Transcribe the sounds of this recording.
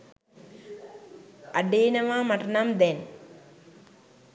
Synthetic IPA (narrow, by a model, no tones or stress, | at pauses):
ɐɖeːnɐʋaːmɐʈɐnamd̪en